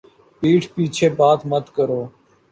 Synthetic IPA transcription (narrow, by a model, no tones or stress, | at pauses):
piːʈʰpiːt͡ʃʰeːbaːt̪mət̪kəɾoː